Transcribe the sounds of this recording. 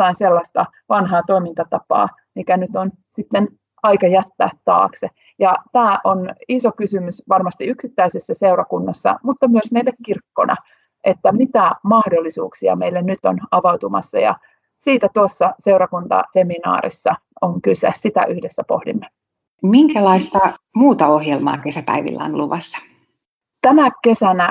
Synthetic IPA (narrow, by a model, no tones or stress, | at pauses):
ɑinselːɑst̪ɑ | ʋɑnɦɑːt̪oimint̪ɑt̪ɑpɑ̰ː | mikænyt̪on | sit̪ːen | ɑikɑjæt̪ːæ̰ːt̪tɑ̰ːkse | jɑt̪æːʔonisokysymysʋɑrmɑst̪iyksit̪ːæisesːæseurɑkunːɑsːɑ̰mut̪ːɑmyøsmeilːekkirkːo̰nɑ̰ | ʔet̪ːæmit̪æmɑhdolːisṵːksiɑ̰meilːennyt̪ːonɑʋɑwt̪umɑ̰sːɑ̰jɑ̰ | siːt̪æt̪uosːɑseurɑkunt̪ɑ̰seminɑ̰ːɾḭsːɑoŋkysesit̪æ̰ʔyhdesːæpo̰hdḭmːe | miŋkælɑist̪ɑmuːt̪ɑohjelmɑ̰ːkesæpæ̰iʋḭlːæ̰o̰nluʋɑsːɑ̥ | t̪æmæke̞sænæ